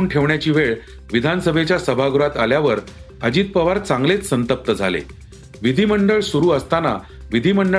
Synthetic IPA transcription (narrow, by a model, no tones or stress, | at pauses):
uːnʈʰeʋɳjat͡ɕiːʋeɭ | ʋid̪ʱansəbʱet͡ɕjasəbʱaɡuɾat̪aljaʋəɾ | əd͡ʑiːt̪̚pəʋaɾt͡sãŋɡlet͡ssənt̪əp̚t̪əd͡zʱalḛ | ʋid̪ʱiːməɳɖəɭsuɾuːəst̪ana | ʋid̪ʱiməɳɖə